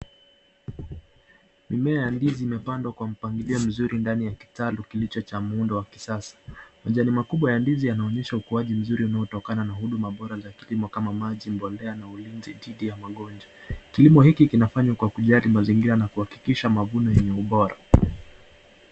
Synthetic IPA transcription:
mimɛajandiziːmɛpandwakwam̩paŋɡiliɔm̩zuɾʔindanijaki̥talukilit͡ʃɔt͡ʃamuundɔwaki̥sasḁmaʄanimakuɓwajandizijanaɔɲɛʃaukuaʄim̩zuɾiunaɔtɔkananahuɗumaɓɔɾazakilimɔkamamaʄim̩bɔlɛanaulinziɗiɗijamaɠɔnd͡ʒakilimɔhikikinafaɲwakwakuʄaɾimaziŋɡiɾanakuhaki̥kiʃamavunɔjɛɲɛuɓɔɾa̰

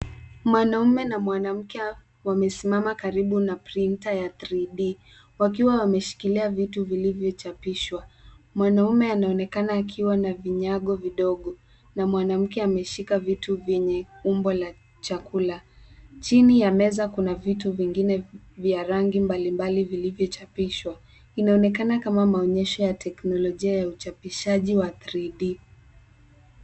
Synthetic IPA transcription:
mwanaumɛnamwanam̩kɛ | wamɛsimamakaɾiɓunapɾintajaθɾiɗi | wak̬iwawamɛʃi̥kiliavituvilivjɔt͡ʃapiʃwamwanaumɛanaɔnɛkanaːkʰiwanaviɲaɠɔviɗɔɠɔ | namwanam̩kɛamɛʃikavituvjɛɲɛumbɔla | t͡ʃakulat͡ʃinijamɛzakunavituviŋɡinɛ | vjaɾaŋɡimbalimbalivilivjɔt͡ʃapiʃwa | inaɔnɛkanakamamaɔɲɛʃɔjatʰɛknɔlɔʄiajaut͡ʃapiʃaʄiwaθɾiɗi

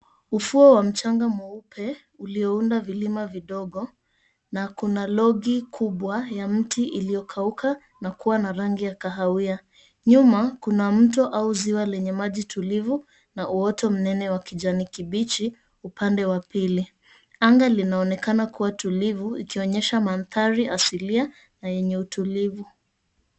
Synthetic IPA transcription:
ufuɔwam̩t͡ʃaŋɡamuupʰɛ | uliɔundavilimaviɗɔɠɔ | nakunalɔɠikʰuɓwajam̩tiʔilijɔkʰaukʰa | nakuwanaɾaŋɡijakaɦawia | ɲumakunam̩tɔʔauziwalɛɲɛmaʄitʰulivu | naʔuɔtɔm̩nɛnɛwakiʄanikiɓit͡ʃi | upandɛwapili | aŋɡalinaɔnɛkanakuwatulivuḭkiɔɲɛʃamanθaɾiasilia | najɛɲɛutulivu

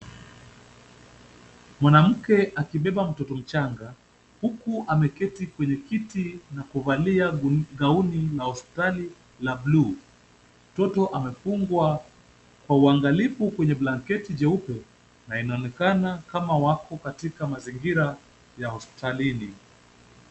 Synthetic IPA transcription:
mwanam̩kɛʔakiɓɛɓam̩tɔtɔm̩t͡ʃaŋɡa | hukuʔamɛkɛtikwɛɲɛkitinakuvaliaɡaunilahɔspi̥tali | lablu | m̩tɔtɔʔamɛfuŋɡwa | kwauaŋɡalifukwɛɲɛblaŋkɛtid͡ʒɛupɛ | nainaɔnɛkanakamawakɔkatikamaziŋɡiɾa | jahɔspi̥talini

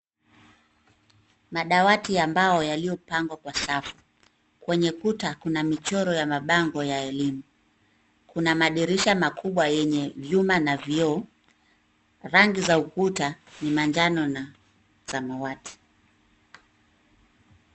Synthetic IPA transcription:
maɗawatiambaɔjalijɔpaŋɡwakwasafu̥ | kwɛɲɛkutakunamit͡ʃɔɾɔjamaɓaŋɡɔjaɛlimu | kunamaɗiɾiʃamakʰuɓwajɛɲɛvjumanavjɔ | ɾaŋɡizaukutanimand͡ʒanɔna | z̥amawati̥

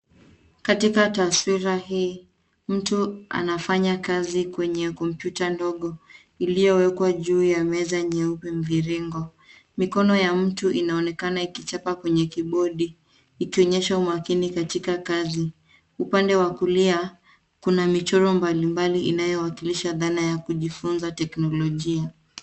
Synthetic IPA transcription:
katikataswiɾaɦiː | m̩tua̰nafaɲakazikwɛɲɛkɔm̩pjutandɔɠɔ | ilijɔwɛkwaʄuːjamɛzaɲɛupɛm̩viɾiŋɡɔ | mikɔnɔjam̩tuʔinaɔnɛkanaikit͡ʃapakwɛɲɛkiɓɔɗiː | kiɔɲɛʃaumakinikatikakazi | upandɛwakulia | kunamit͡ʃɔɾɔmbalimbaliʔinajɔwakiliʃaðanajakuʄifunzatɛknɔlɔʄia

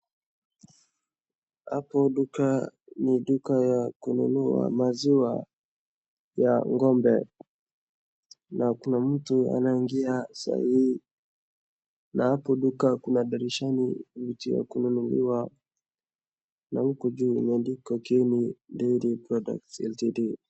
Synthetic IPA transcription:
hapɔɗukaniɗukajakunṵnua̰maziwa | ja̰ŋɡɔmbɛ | nakunam̩tua̰naiŋɡiasa̰hihi | nahapɔɗukakunaɗaɾiʃanikubitiwa̰kununulḭwa | nam̩kud͡ʒumandikɔkinindɛɾipɾɔda̰k̚tɛ̰ltidi

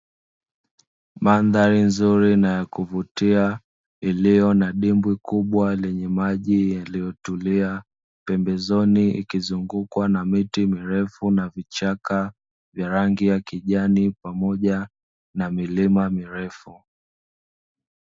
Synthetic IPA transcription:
manðaɾinzuɾinajakuvutia | ilijɔnaɗimbwikuɓwalɛɲɛmaʄijalijɔtulia | pɛmbɛzɔniḭkizuŋɡukwanamitimiɾɛfunavit͡ʃaka | vjaɾaŋɡijakiʄanipamɔʄa | namilimamiɾɛfu

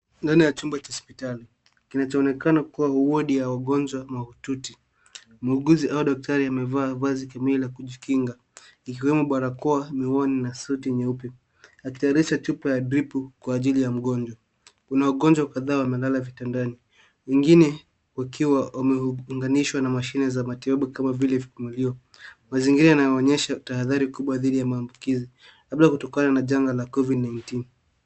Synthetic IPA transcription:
ndanijat͡ʃumbat͡ʃaɔspitali | kinat͡ʃɔːnɛkanakuwahuɔɗijawaɠɔɲd͡ʒwamaututi | muɠuziʔauɗɔk̚taɾiamɛvaːvazikamililakuʄikiŋɡa | ikiwɛmuɓaɾakɔamiwɔninasɔtiɲɛupɛ | aki̥tɛaɾiʃat͡ʃupajadɾipukwaːʄilijam̩ɠɔnd͡ʒwa | kunawaɠɔɲd͡ʒwakaðaːwamɛlalavitandani | wɛŋɡinɛ | wakiwawamɛŋɡaniʃwanamaʃinɛzamatiɓaɓukamavilɛvikumuliɔ | maziŋɡiɾajanajɔɔɲɛʃataɦaðaɾikuɓwaðiɗijamaːmbukizi | kaɓlakutɔkananaʄaŋɡalakɔvidnajntin

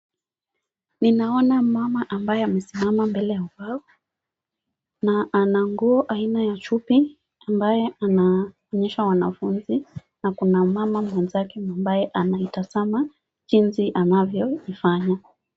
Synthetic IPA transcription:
ninaɔnamamaʔambajɛamɛsimamambɛlɛjauvaɔ | naʔanaŋɡuɔʔainajat͡ʃupi | ambajɛana | ɔɲɛʃawanafunzi | nakunamamamwɛnzakɛmambajɛʔanaitazama | t͡ʃinziʔanavjɔifaɲa

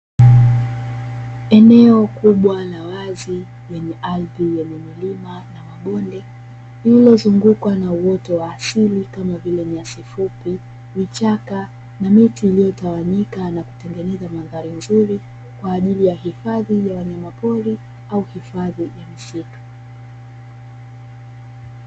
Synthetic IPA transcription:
ɛnɛɔkuɓwalawazi | jɛɲɛʔalvijɛɲɛmilimanamaɓɔndɛ | iilɔzuŋɡukwanauwɔtɔwaːsilikamavilɛmiasifupi | vit͡ʃaka | namitiːlijɔtawaɲikanaku̥tɛŋɡɛnɛzamaðaɾinzuɾi | kwaːʄilijahifaðijawaɲamapɔɾi | auhifaðijamisikḁ

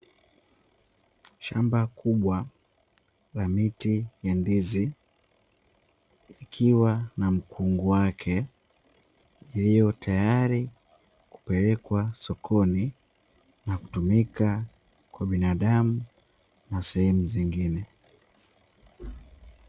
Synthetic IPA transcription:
ʃambakʰuɓwa | lamitijandizi | ikʰiwanam̩kʰuŋɡuwakʰɛ | ilijɔtʰajaɾi | ku̥pɛlɛkwasɔkʰɔni | naku̥tumika | kwaɓinaɗamu | nasɛhɛmuziŋɡinɛ

